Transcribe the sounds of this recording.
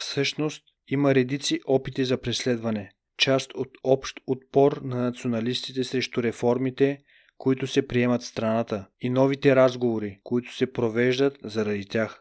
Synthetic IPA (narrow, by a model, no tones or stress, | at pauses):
fsɤʃnost̪ | iməɾɛd̪it̪siʔɔpit̪izɐpɾɛslɛd̪vɐnɛ | t͡ʃast̪ot̪ɔpʃt̪ot̪̚pɔɾnɐnɐt̪sionɐlist̪it̪ɛsɾɛʃt̪ʊɾɛfɔɾmit̪ɛ | koit̪ʊsɛpɾiɛmɐt̪st̪ɾɐnat̪əinɔvit̪ɛɾazɡovoɾikoit̪ʊ̥sɛpɾovɛʒd̪ət̪zɐɾɐd̪it̪ʲjax